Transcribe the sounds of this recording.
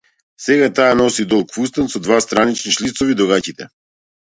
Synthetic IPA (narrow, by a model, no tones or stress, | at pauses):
sɛɡat̪aːnɔsid̪ɔlˠkfust̪ansɔd̪vast̪ɾanit͡ʃniʃlit̪sɔvid̪ɔɣacit̪ɛ